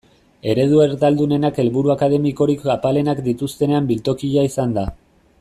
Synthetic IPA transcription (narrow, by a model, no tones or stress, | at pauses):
e̞ɾe̞ð̞ue̞ɾt̪ald̪une̞nake̞lβuɾuakað̞e̞miko̞ɾikapale̞nakd̪it̪ust̪e̞ne̞ambilt̪o̞kiʎaisand̪a